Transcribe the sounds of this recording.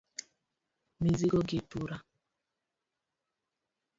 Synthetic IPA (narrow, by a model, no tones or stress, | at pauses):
miziɡoɡituɾa